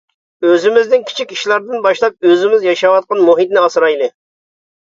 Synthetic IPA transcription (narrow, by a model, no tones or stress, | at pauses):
øzɪmɪznɪnkʲʰi̥t͡ʃʰikʲiʃlˠɑɾd̪ɨnbɑʃlˠɑp̚øzɪmɪzjɑʃɑwɑt̪̚qɑnmuɦit̪nɪɑsɾɑjlˠɨ